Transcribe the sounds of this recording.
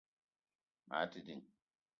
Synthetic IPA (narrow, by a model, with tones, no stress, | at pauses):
ma̰ː˨˦ti˨di˨ŋ